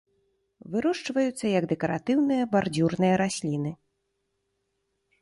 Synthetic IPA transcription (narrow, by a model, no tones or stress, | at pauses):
vɨɾɔʂt͡ʂvɐjut̪sːɐjɐɡd̪ɛkɐɾa̰t̪ɨwnɨjɐbard͡zʲurnɨjɐɾasʲlʲinɨ